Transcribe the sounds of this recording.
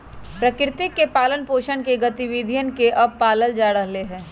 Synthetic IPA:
pɾɐkɾɪt̪ɪkːepaːlənpoːʃənkeɡɐt̪iʋiːd̪ʱijənkeʔɐb̚paːləld͡ʒaːɽəɦleɦɛ̃ː

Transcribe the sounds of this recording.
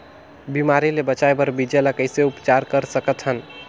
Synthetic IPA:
bimaɾilebət͡ʃajbəɾbid͡ʒeləkəjseupt͡ʃaɾkəɾsəkət̪ʰɦən

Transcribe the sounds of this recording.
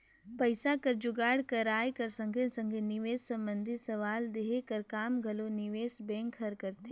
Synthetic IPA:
pɐɪsakɐɾd͡ʒʊɡaːɽkɐɾaːjekɐɾsɐ̃ŋɡʱẽsɐ̃ŋɡʱenɪʋeːssɐ̃mbə̃nd̪ʱɪt̪sɐʋaːld̪eɦekɐɾkaːmɡʱɐlonɪʋeːsbɛ̃ːŋkʰɦɐɾkɐɾt̪e

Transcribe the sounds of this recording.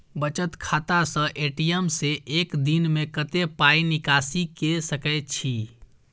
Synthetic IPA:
bət͡ʃət̪kʰat̪asə̃ʔeʈijəmseʔekd̪inmekət̪epainikasikesəkɛt͡ʃʰi

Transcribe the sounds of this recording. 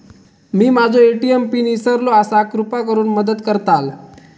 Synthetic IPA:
miːmad͡zoeʈiempiːnisəɾloasakɾupak̬əɾuːnməd̪əd̪kəɾt̪al

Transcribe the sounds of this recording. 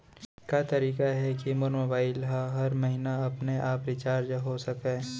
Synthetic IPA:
kat̪ɐɾiːkaɦɛkimoɾmoːbaːɪlɦaɦɐɾmɐɦɪnaɐpneʔaːpɾɪt͡ʃaːɾd͡ʒɦosɐkẽː

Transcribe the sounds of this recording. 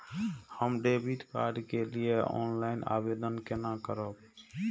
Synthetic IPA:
həmɖebit̪ka̰ɾɖkelieʔɔ̰ːnlaina̰bed̪ənkenakəɾəb̚

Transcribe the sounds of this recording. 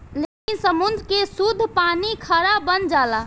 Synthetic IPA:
lekinsəmund̪ɾkesud̪ʱpanikʰəɾabənd͡ʒala

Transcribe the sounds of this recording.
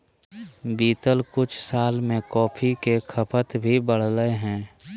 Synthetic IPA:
biːt̪əlkʊt͡ʃʰsaːlmẽkɔːpʰikekʰəpʰət̪bʱibəɽ̤ləeɦɛ̃ː

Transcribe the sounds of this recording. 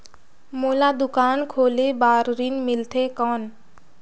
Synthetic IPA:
moːlad̪ʊkaːnkʰoːlebaːɾɾinmɪlt̪ʰekɔːn

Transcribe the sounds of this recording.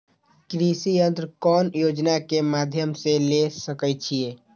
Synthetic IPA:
kɾisiənt̪ɾkɔːnjod͡ʒnakemad̪ʱjəmselesəkɛt͡ʃʰie

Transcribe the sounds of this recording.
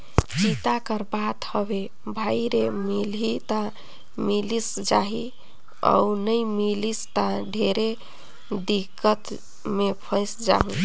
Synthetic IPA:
t͡ʃit̪akəɾbat̪həbe | bʱajɾemilɦit̪a | milis | d͡ʒa̰ɦi | ə̰unəjmilist̪aɖʱeɾe | d̪ikːət̪ | mepʰə̃ɪsd͡ʒa̰ɦũ

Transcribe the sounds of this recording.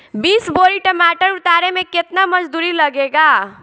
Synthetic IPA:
bisboɾiʈəmaʈəɾut̪aɾemeket̪naməd͡ʒd̪uɾiləɡeɡa

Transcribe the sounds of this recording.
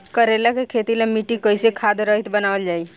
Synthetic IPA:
kəɾelakekʰet̪iləmiʈikəisekʰaːd̪ɾəɦit̪bənaːʋəld͡ʒaːi

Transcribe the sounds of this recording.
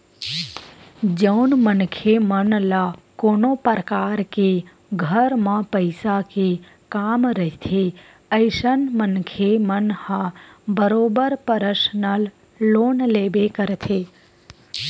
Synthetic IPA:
d͡ʒəʊnmənkʰemənlakoːnopəɾəkaːɾke | ɡʱəɾmãpəɪsake | kaːmɾəɦit̪ʰe | əɪʃənmənkʰemənhãbəɾoːbəɾpəɾəʃnal | loːnleːbekəɾt̪ʰe

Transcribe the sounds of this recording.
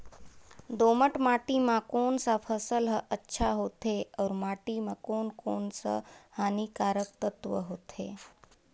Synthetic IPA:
d̪oːməʈmaːʈimãkoːnsapʰəsəlɦəʔətːʃʰaɦoːt̪eɔːɾmaːʈimãkoːnkoːnsə̰haːnikaːɾəkt̪ət̪ʋə̰ɦoːt̪ʰḛː

